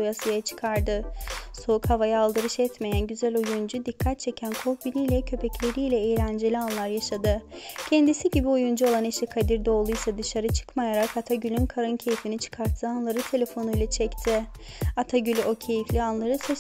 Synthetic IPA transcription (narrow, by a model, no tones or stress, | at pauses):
ujasɯjat͡ʃʰɯ̥kʰaɾd̪ɯso̞ukhavajaːlˠd̪ɯɾɯʃɛt̪me̞jænɟyzælʲojund͡ʒud̪ikʰːat̪̚t͡ʃʰe̞cʰænkʰo̞kbinijlʲɛcʰø̞pʰɛclʲe̞ɾijlʲɛejlʲænd͡ʒelʲianlˠaɾjaʃad̪ɯcʰɛnd̪isiɟibiojund͡ʒuo̞lˠaneʃikʰad̪iɾd̪ɛo̞lˠujsad̪ɯʃaɾɯt͡ʃʰɯ̥kmajaɾakat̪ʰaɟylʲynkʰaɾɯncʰe̞jifinit͡ʃʰɯ̥kʰaɾt̪ʰːɯanlˠaɾɯt̪ʰe̞lʲe̞fo̞nujlˠat͡ʃʰɛct̪ʰɪ | at̪ʰaɟylʲyʔo̞cʰe̞jiflʲianlˠaɾɯsɛ